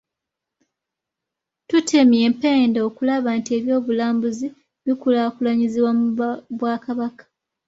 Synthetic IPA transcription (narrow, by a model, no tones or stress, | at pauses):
tutʰe̞mje̞ːmpe̞ːndao̞kulaβaːntie̞ːβjo̞ːβulaːmbuzi | βikulakulaɲiziβwamuβwaːkaβakḁ